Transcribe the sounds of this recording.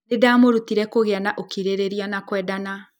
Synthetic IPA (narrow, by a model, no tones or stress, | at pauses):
nedamoɾutiɾɛkoɣeanaʔokiɾeɾeɾianakwɛːdana